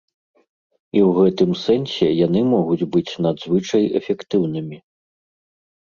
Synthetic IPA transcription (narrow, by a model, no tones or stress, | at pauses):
iwɣɛt̪ɨmsɛnsʲɛjanɨmɔɣud͡zʲbɨt͡sʲnad̪zvɨt͡ʂɐjɛ̰fʲɛkt̪ɨwnɨmʲi